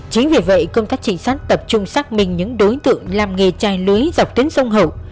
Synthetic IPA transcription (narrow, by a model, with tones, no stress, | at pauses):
t͡ɕi˨˦ŋve˨˩və̰˧˨jkə˧ŋ͡mt̪aː˦˥k̚t͡ɕï˧˩ŋ̟saː˦˥k̚t̪ə˨˩p̚t͡ɕʊ˧ŋ͡msaː˦˥k̚mï˨˩ŋ̟ɲɨ̰˧˥ŋɗo˨˦jt̪ɨ̰˧˨əŋlaː˨˩mŋe˨˩t͡ɕaː˨˩jlɨ˨˦əjza˨˩wk͡p̚t̪i˨˦ŋsə˧wŋ͡mɦə˧˩w